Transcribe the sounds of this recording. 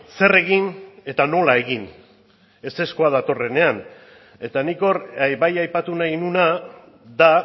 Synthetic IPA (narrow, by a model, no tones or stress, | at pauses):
se̞re̞ɣ̞ine̞t̪ano̞lae̞ɣin | e̞se̞sko̞að̞at̪o̞re̞ne̞an | e̞t̪aniko̞ɾabajajpat̪unajnuna | d̪a